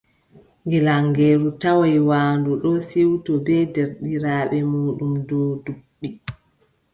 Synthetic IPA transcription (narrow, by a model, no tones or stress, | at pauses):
ŋɡɛlaŋɡɛːɾutawajwaːndɔɗɔsiwtɔbɛdɛɾɗiɾaːɓɛmuːɗumdɔduɓːi